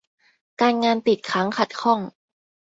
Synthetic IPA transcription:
kaː˧nŋaː˧np̪i˨˩t̪̚kʰɾa˦˥ŋkʰa˨˩t̪̚kʰɔ˥˩ŋ

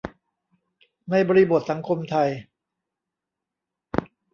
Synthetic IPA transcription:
na˧jbɔː˧ɾi˧bo˨˩t̪̚sa˩˦ŋkʰo˧mt̪ʰa˧j

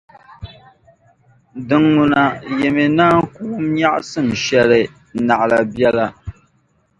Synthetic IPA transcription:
dɨ˨ŋːu˨na˨jɛ˨mɛ˨naː˦ŋkuː˦mɲa˦ʔsɨ˦˨m˨ʃɛ˦lɨ˨ | na˨ʔla˨bɛ˦la˦

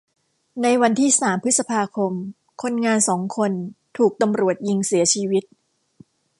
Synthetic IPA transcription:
na˧jwa˧nt̪ʰiː˥˩saː˩˦mpʰɯ˦˥t̪̚sa˧pʰaː˧kʰo˧m | kʰo˧nŋaː˧nsɔː˩˦ŋkʰo˧nt̪ʰuː˨˩k̚t̪a˧mɾu˨˩ət̪̚ji˧ŋsi˨˩˦ɐt͡ɕʰiː˧wi˦˥t̪̚

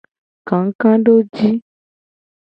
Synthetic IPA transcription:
kã˨˦ŋ̩˦kã˦ɖo˦d͡ʑi˦

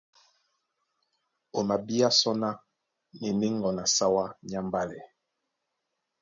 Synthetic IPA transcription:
o˨ma˨bi˦a˦sɔ˦na˦ | ni˨ni˦ŋɡɔ˨na˨sa˦wa˦ɲa˦mba˦lɛ˨

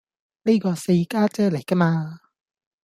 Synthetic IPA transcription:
ni˥kɔː˧se˧jkaː˥t͡sɛː˥le˨˩jkɐ˥maː˧

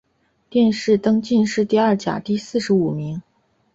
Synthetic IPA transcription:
t̪jɛ˥˧nʂɻ̩˥˩t̪ɤ˥ŋt͡ɕi˥˧nʂɻ̩˥˧t̪i˥˧ɐ˥˩t͡ɕja̰˨˩t̪i˥˧sɹ̩˥˩ʂɻ̩˧˥u˨˩mi˧˥ŋ

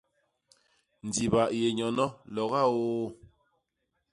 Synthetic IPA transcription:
n̩˨di˨βa˨ʔje˨ɲɔ˨nɔ˦lɔ˨ɣa˦o˦

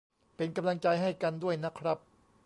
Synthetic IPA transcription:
pe˧nka˧mla˧ŋt͡ɕa˧jɦa˥˩jka˧ndu˥˩əjna˦˥kʰɾa˦˥p̚

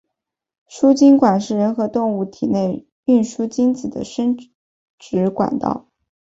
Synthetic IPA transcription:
ʂu˥t͡ɕi˥ŋkwa˨˩nʂɻ̩˥˩ɻə˧˥nxɤ˧˥t̪ʊ˥˧ŋu˥˩t̪ʰi˨˩ne˥˧ɪ | y˥˩nʂu˥t͡ɕi˥nt͡sɹ̩˨˩d̪ə̰˦ʂə˥n | ʈ͡ʂɻ̩˧˥kwa̰˨˩nt̪ɑ̰˥˩ʊ

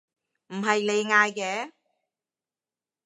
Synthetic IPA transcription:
m̩˨˩ɦɐ˨jne˨˧jŋaː˧jkɛː˨˧˥

